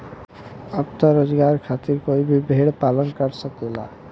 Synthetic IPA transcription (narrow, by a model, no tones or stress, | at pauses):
əbt̪əɾod͡ʒɡaɾkʰat̪iɾkoibʱibʱeɽpalənkəɾsəkela̰